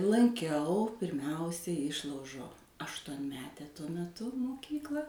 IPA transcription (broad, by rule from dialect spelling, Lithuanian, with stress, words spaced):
lˠɐŋʲˈkʲɛʊ pʲɪrʲˈmʲɛʊsʲɛ ˈɪʃlˠɐʊʒoː ɐʃtuɔnʲˈmʲæːtʲɛ tuɔ mʲɛˈtʊ moːˈkʲiːklˠɐ